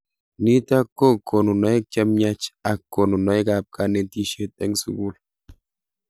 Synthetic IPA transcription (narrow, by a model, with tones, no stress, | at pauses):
ni˦ta˦ko˦kʰo˨no˨nɔ˨ɛ˦k̚t͡ʃa˦mɲa˦t͡ʃa˨kːo˨no˨nɔ˨ɪ˦ka˨p̚ka˦nɛ˨˦ti˦ʃe˦tɛ˦ŋsṵ˦ɡu˦l